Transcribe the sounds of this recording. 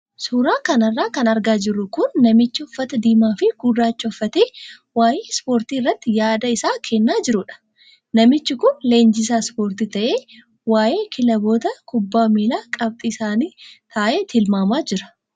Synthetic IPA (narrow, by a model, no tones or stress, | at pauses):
suːɾaːkɐnɐrːaːkɐnɐɾɡaːd͡ʒɪrːʊkʊnːɐmɪt͡ʃːɪɔfːɐt̪ɐd̪iːmaːfɪɡ̥ʊrːaːt͡ʃːɐɔfːɐt̪eː | waːjeːspo̞ːɾt̪iːɪrːɐt̪ːɪjaːd̪ɐɪsaːkʰɛnːaːd͡ʒɪɾʊᶑɐ̥ | nɐmɪt͡ʃːɪkʊnle̞ːnd͡ʒɪs̬aːspo̞ːɾt̪it̪ɐʔeː | waːʔe̞ːkʰɪlɐbo̞ːt̪ɐkʊbːaːmiːlaːkʼɐb̚t̪ʼiːsaːniːt̪ʰaːʔeːt̪ʰɪlmaːmaːd͡ʒɪɾɐ̥